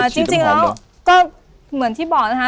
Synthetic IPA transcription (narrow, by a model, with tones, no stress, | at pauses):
ə˨˩t͡ɕɨ˧əŋt͡ɕï˧˩ŋɗɔ˨˦ | kɔ˧˥ | mɨ˨˩ənt̪ʰi˧˥ɓɔ˧˩n˨˩haː˧˥